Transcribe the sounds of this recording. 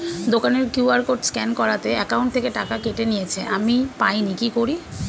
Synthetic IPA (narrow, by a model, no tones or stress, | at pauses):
d̪okaneɾkjuaɾkoʈskɛnkɔɾat̪eɛkawɳʈt̪ʰekeʈakakeʈenijet͡ɕʰeʔamipajnikikoɾi